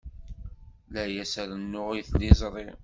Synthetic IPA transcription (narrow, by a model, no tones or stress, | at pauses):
læjæsəɾənːʊʁiθlɪzˤɾˤi